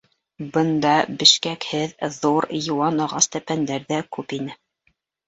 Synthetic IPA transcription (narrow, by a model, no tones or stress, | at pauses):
bɤ̆nd̪ɑbɘ̆ʃkækhɘððuɾjŭwɑnɑʁɑst̪æpænd̪æɾðækʉpinɘ